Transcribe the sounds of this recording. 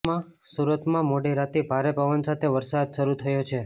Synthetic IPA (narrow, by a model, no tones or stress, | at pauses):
ã | suɾət̪mãmoɽiɾat̪ibʱaɾepəʋənsat̪ʰeʋəɾsad̪ʃəɾut̪ʰəjot͡ʃʰe